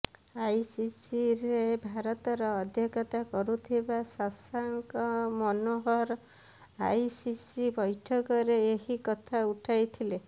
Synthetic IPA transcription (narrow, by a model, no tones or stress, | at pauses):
ajsisiɾebʱaɾɔt̪ɔɾɔːd̪ʱjɔkɔt̪akɔɾut̪ʰibasasaŋkɔmɔnoɦɔɾ | ajsisibɔjʈʰɔkɔɾeeɦikɔt̪ʰauʈʰajt̪ʰile